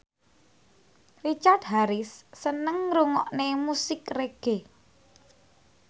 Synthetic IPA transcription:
rit͡ʃart̪̚ɦaɾɪsːənəŋɾuŋɔʔnemusɪkreɡ̥e

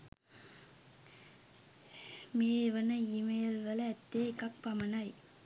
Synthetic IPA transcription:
meːʋɐnɐɪmɐjɐlʋɐlɐːt̪ːeːkɐk̚pɐmɐnɐj

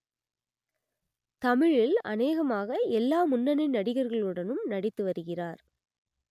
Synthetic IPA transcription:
t̪ɐmɪɻɪlɐ̰neːɣɐmaːɣɐɛlːaːmʊnːɐnɪnnːɐɽɪɣɐɾɣɐɭɯɽɐnɯmnɐɽɪt̪ːɯʋɐɾɯɣɪraːɾ

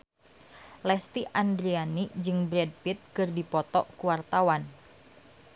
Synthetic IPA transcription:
lɛst̪iʔand̪ɾianid͡ʒɨŋbɾɛd̚pit̪̚kɨrdipɔt̪ɔ̰ʔkuwart̪awan

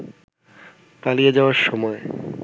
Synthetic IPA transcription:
talijed͡ʑaoaɾʃɔmɔe

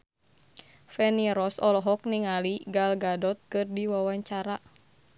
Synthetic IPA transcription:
fɛniɾɔsɔlɔɦɔk̚niŋaliɡalɡadɔt̪̚kɨrdiwawaɲt͡ʃaɾa

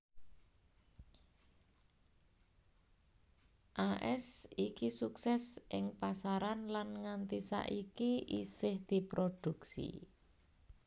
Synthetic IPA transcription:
ʔaʔɛsikisuksɛsʔɪŋpasaɾanlanŋant̪isa̰ʔikiʔisɪhd̪̥i̤pɾod̪̥ṳksḭ

